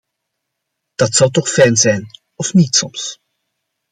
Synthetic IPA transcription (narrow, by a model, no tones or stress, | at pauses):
d̥ɑtsɑwtɔχfɛjnzɛjn | ɔfnitsɔms